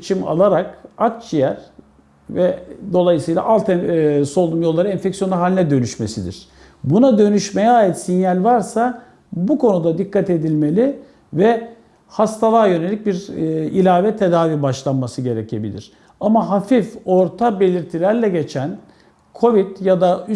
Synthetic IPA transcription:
t͡ʃʰima̰lˠaɾakat̚t͡ʃijæɾ | vɛd̪o̞lˠajɯsɯjlˠa̰ʔalˠt̪ʰɛso̞lˠumjo̞lˠːaɾɯɛnfɛcsijonaɦalʲinɛd̪ø̞nyʃme̞sid̪ḭɾ̥ | bunad̪ø̞nyʃme̞jɛaːjit̪sinjalʲvaɾsa | bukʰo̞nud̪ad̪ikːat̪e̞d̪ilʲme̞lʲi | vɛ | hast̪ʰalˠaːjø̞ne̞lʲic̚biɾilʲaːvɛt̪ʰe̞d̪aːviːbaʃlˠanmasɯɟe̞ɾɛcʰe̞bḭlʲḭɾ̥ | amaɦafifo̞ɾt̪ʰabe̞lʲiɾt̪ʰilʲæɾlʲɛɟe̞t͡ʃʰæn | kʰo̞vid̪̥jad̪ay

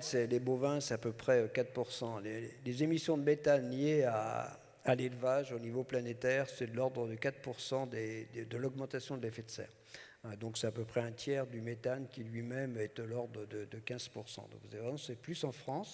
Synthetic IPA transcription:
sɛlebovɛ̃sɛt̪apøpχɛøkat̪puʁsɑ̃lelezemisjɔ̃d̪əmet̪anljea | alelvaʒonivoplanet̪ɛʁsɛd̪əlɔʁd̪ʁəd̪əkat̪χpuʁsɑ̃d̪ed̪əd̪əlɔɡmɑ̃t̪asjɔ̃d̪əlefɛt̪sɛ̰ːʁ | d̪ɔ̃ksɛt̪apøpχɛɛ̃t̪jɛʁd̪ymet̪ankʲilɥimɛmɛt̪əlɔʁd̪ʁəd̪əd̪əkʲɛ̃z̥puʁsɑ̰̃d̪ɔ̰̃kvuzaevʁɛɔ̃sɛplysɑ̃fχɑ̃s

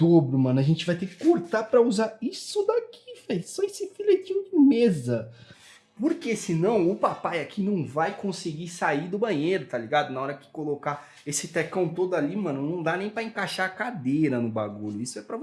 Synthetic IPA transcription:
d̪̥obɾʊmɐ̃nʊaʒẽnt͡ʃɪvajt̪ekɪ̥koɾt̪apɾɐuzaɾisʊd̪akifesɔesɪfilet͡ʃĩjʊd͡ʒɪmezɐ | poɾkesɪnɐ̃w̃ʊpapajakʰinɐ̃w̃vajkõsɪɡisaid̪ʊbɐ̃ɲ̃eɾʊt̪aliɡad̪ʊnaɔɾɐkɪ̥koloka | esɪt̪ɛkɐ̃w̃t̪od̪ʊalimɐ̃nʊnɐ̃w̃d̪anẽj̃pɾɐẽkaʃaɐkad̪eɾɐnʊba̰ɡuʎʊisʊɛpɾɐv

